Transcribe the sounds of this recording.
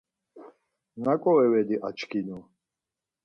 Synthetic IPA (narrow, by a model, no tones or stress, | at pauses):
nakʼɔɛwɛd̪iʔat͡ʃʰkʰinɔ